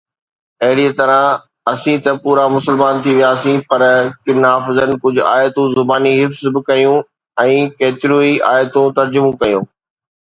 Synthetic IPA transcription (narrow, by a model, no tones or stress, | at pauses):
ɐɦɪɽiət̪ɐɾə̃ | ɐsĩt̪ɐpuːɾamʊsəlmaːnt̪ʰiʋijaːsĩpɐɾkɪnɦaːfɪzənɪ̆kʊd͡ʑʱʊaːjt̪ũzʊbaːniɦɪfzbɪkɐjũ | ɛ̃ːkeːt̪ɪɾuːiʔaːjt̪ũt̪ɐɾd͡ʑʊmũkɐjũː